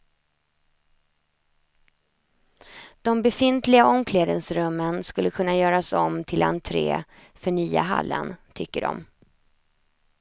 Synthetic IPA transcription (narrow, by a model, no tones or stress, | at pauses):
d̪̥ɔmbɛfɪnt̪lɪɡaʔɔmkʰleːd̪ənsɾɵmːənskɵlːəkʰɵnːajœːɾasɔmt̪ʰɪla̰nt̪ʰɾḛː | fœɳyːa̰ɦa̰lːə̰nt̪ʰʏkːəɖɔ̰m